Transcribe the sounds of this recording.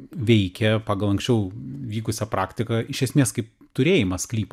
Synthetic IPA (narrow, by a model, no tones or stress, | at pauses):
ʋʲɛɪkʲɛpɑːɡɐlˠɐŋksʲt͡ʃʲɛʊʋʲiːkʊsʲɛpɾɑːkt̪ʲɪkɐɪʃʲɛsʲmʲeːskɐɪp | t̪ʊɾʲeːjɪmɐsklʲiːp